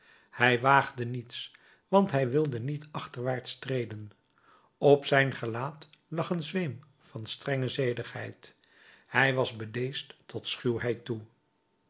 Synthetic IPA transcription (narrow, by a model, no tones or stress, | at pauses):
hɛjʋaːχdənits | ʋɑntɦɛjʋɪlˠdənitɑχtəɹʋaːɹtstrejdən | ɔpsɛjnχəlaːtlɑχənzʋem | fɑnstrɛŋəzejdəχhɛ̰jt | hɛjʋɑzbədejstːɔtsχywɦɛjtu